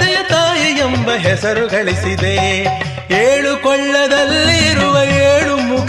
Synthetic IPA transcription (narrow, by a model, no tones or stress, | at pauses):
ɐjɐt̪aːjiembɐɦɛsɐɾuɡɐɭisid̪e | eːɭukɔɭːɐd̪ɐlːiːɾuʋɐeːɽumukʰ